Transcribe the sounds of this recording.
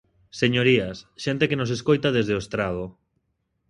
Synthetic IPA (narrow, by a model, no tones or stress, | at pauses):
seɲoɾiasʃent̪ekenos̬eskojt̪aðezðeoest̪ɾað̞o